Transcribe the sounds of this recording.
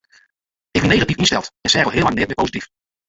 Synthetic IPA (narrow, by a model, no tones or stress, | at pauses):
ɪɡbɛnːejχatifɪnstɛlˠtɛnsɛɛɾɔlˠɦɪːlˠɑŋnɪːt̚mɛpowzitif